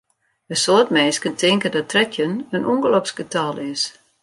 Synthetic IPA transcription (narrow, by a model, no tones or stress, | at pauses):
dəsoətmɛːskəntʰɪŋkədɔtʰrɛtʰjənənʔuŋɡəlopsɡ̥ətʰalˠɪs